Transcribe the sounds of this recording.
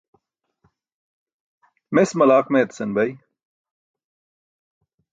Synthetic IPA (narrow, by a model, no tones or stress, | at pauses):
mesmɐlaːqmeːt̪sɐnbɐj